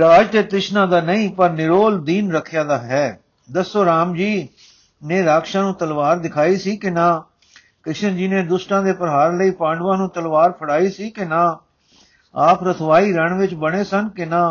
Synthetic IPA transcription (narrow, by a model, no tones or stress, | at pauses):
ɾaːd͡ʒt̪eːt̪ɾɪʃnãːd̪aːnəĩːpəɾnɪɾoːld̪iːnɾəkʰːjaːd̪aːɦɛː | d̪əsːoːɾaːmd͡ʒiː | neːɾaːkʃãːnũːt̪əlʋaːɾd̪ɪkʰaːiːsiːkɪnãː | kɾɪʃənd͡ʒiːneːd̪ʊsʈãːd̪eːpəɾɦaːɾləiːpãːɳɖʋãːnũːt̪əlʋaːɾpʰəɽaːiːsiːkɪnãː | aːpɾət̪ʰʋaːiːɾəɳʋɪt͡ʃbəɽ̃eːsənkɪnãː